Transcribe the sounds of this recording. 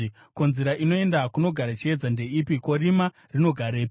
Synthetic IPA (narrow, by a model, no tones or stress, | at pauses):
ko̞nzeɾaʔino̞e̞ndakuno̞ɡʱaɾat͡ʃied͡zande̞ipiko̞ɾima | rino̞ɡʱaɾeːp